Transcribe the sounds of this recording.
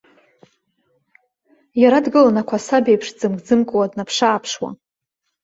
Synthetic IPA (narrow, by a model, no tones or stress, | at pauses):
jaɾadɡɨlanakʷʰasabejpʰʂd͡zɨmɡd͡zɨmkʼwadnapʰʂaːpʰʂwa̰